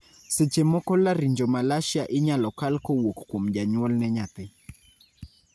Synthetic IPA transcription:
sɛt͡ʃɛmɔkɔlaɾiɲd͡ʒɔmalaʃjaʔiɲalɔkalkɔwɔkkɔm̩ʄaɲwɔlnɛɲat̪ɛ

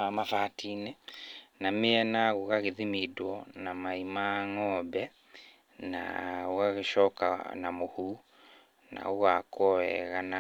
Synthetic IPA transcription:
amafatʰinenameɛnaɣoɣaɣeðimidwɔnamaimaŋɔbɛ | na̰ɣoɣaɣeʃɔka̰namohu | na̰oɣakɔɛ̰ɣana

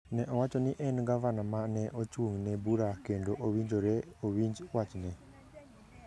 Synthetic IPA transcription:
nɛʔɔwat͡ʃɔnɪʔɛnɡavanamanɛʔot͡ʃuŋnɛbuɾakendoʔowiɲd͡ʒoɾɛowiɲd͡ʒwat͡ʃnɛ

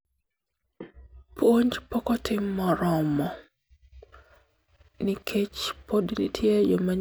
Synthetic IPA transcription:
pʰwoɲd͡ʒpɔkɔtʰɪmːɔɾɔmɔ | nɪkʰet͡ʃpodnḭtʰjejomaɲ

